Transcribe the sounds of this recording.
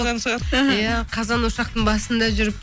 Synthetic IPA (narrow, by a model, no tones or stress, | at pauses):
ʁɑɾjæqʰɑzɑnwoʃɑq̚t̪əɴbɑsənd̪ɑʒʏɾɪp̚